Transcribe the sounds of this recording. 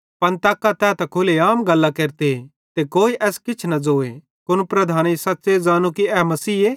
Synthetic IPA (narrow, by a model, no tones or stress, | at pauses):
pɐ̃nt̪aːkːat̪ɛːt̪ɛkʰʊleaːmɡɐlːakeːɾt̪e | t̪ekoːiʔɛːskɪt͡ʃʰnɐd͡zoːḛ | kʊnpɾɐd̪ʱaːnisɐtːsezaːnukiɛːmɐsiːeː